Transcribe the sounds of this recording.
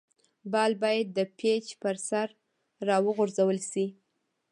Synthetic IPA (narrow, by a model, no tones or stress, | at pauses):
bɑlbɑjad̪̚ːəpʰet͡ʃpəɾsaɾː | ɑwəɣʊɾzawəlsi